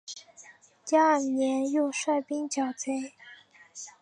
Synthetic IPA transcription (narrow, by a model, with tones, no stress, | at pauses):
t͡ɕja˥njɛ˧˥njo˥˧ʊʂwa˥˩ɪpi˥ŋt͡ɕjɑ˨˩ʊt͡sʰe˥ɪ